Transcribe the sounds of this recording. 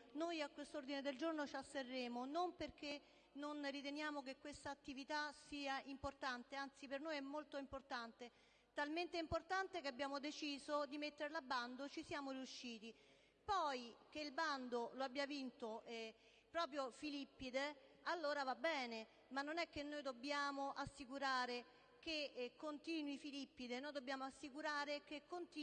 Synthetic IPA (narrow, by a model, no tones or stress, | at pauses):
nojakːwest̪ord̪ined̪eld͡ʒornot͡ʃasːerːeːmonomperke | nonrit̪enjaːmok̬ekːwest̪aːt̪ːivit̪asiːaimport̪ant̪eant̪sipernojɛmːolt̪oimport̪ant̪e | t̪alment̪eɛimport̪ant̪ekeabjaːmod̪et͡ʃiːzod̪imet̪ːeɾelabːand̪ot͡ʃisjaːmoɾiuʃːiːt̪i | pɔjk̟eilband̪oloabːjavint̪o | pɾɔːp̬ɾjofilipːid̪ealːoːɾavabːɛːne | manːonɛkːenːoːjd̪objaːmoʔasːikuɾaːɾe | kekːont̪iːnwifilipːid̪enoːjd̪obːjaːmoasːikuɾaːɾekekːont̪i